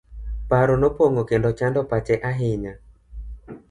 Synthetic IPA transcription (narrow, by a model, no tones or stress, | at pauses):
paɾɔnopwoŋokendɔt͡ʃandɔpat͡ʃɛʔaɦɪɲa